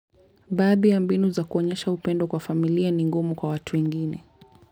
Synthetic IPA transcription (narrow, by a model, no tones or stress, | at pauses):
ɓaːðijambinuzakuɔɲɛʃaupɛndɔkwafamilianiŋɡumukwawatuwɛŋɡinɛ